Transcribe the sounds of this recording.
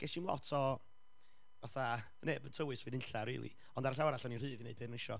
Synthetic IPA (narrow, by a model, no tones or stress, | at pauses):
ɡ̥eʃimlɔ̰tʰɔ | vaθa | neːbətʰəwɨsvɨːnɪnɬarḭːlˠḭ | ɔndaɾaɬawaɾaɬɔninrɨːðinejbɨːnnɪʃɔ̰